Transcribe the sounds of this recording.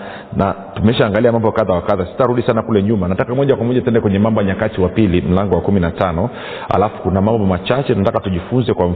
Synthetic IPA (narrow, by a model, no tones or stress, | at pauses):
na | tumɛʃaːŋɡaliamambɔkaðawakaðasi̥taɾuɗisanakulɛɲumanatakamɔʄakwamɔʄatuɛndɛkwɛɲɛmambɔaɲakatiwapilim̩laŋɡɔwakuminatanɔ | ha̰lafu̥kunamambɔmat͡ʃat͡ʃɛnatakatuʄifunzɛkwam̩